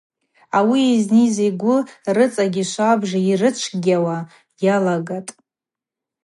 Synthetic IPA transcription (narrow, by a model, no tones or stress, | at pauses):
awieznizeɡʷʊrɨt͡sʼaɡʲiʃʷabʐairɨt͡ʃʷʰɡʲawa | jalaɡatʼ